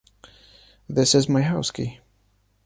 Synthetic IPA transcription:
ðɪsɨzmaɪɦaʊski

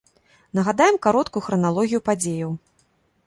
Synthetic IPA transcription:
nɐɣad̪ajɛmkaɾɔt̪kujuxɾɐnalˠɔɣʲijupad͡zʲejɐw

